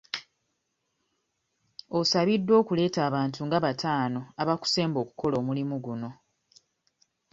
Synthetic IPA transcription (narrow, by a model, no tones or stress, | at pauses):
o̞saβidːo̞ːkule̞ːtaːβaːntʰuŋɡaβatʰaːno̞aβaku̥se̞ːmbo̞ːku̥ko̞lo̞ːmulimuɡuno̞